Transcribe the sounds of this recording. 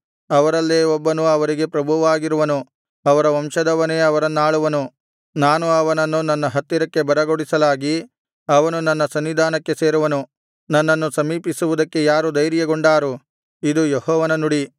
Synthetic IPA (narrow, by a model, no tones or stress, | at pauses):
ɐʋɐɾɐlːeɔbːɐnuɐʋɐɾiɡe̞pɾɐbʱuʋaːɡiɾuʋɐnu | ɐʋɐɾɐʋɐmʃɐd̪ɐʋɐne̞ːɐʋɐɾɐnːaːɭuʋɐnu | naːnuɐʋɐnɐnːunɐnːɐɦɐt̪ːiɾɐkːe̞bɐɾɐɡoɽisɐlaːɡi | ɐʋɐnunɐnːɐsɐnʋid̪ʱaːnɐkːe̞se̞ːɾuʋɐnu | nɐnːɐnːusɐmiːpisuʋud̪ɐkːe̞jaːɾud̪ɐjɾjɐɡoɳɖaːɾu | id̪ujehɔːʋɐnɐnuɽi